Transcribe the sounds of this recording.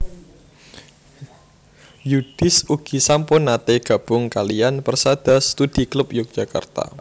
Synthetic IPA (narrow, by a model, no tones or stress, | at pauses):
jud̥ɪsuɡ̥isampʊnːat̪eɡ̥a̤b̥ʊŋkalianpərsad̥a̤sə̥t̪ud̥iklʊp̚jʊk̚dʒ̥aka̰rt̪a̰